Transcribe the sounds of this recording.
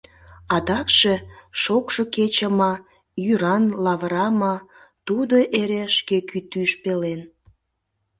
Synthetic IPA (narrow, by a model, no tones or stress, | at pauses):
ɑd̪ɑkʃeʃokʃoket͡ɕəmɑ | jyɾɑnlɑβɾɑmɑ | t̪ud̪oʔeɾeʃkekyt̪yʃpelen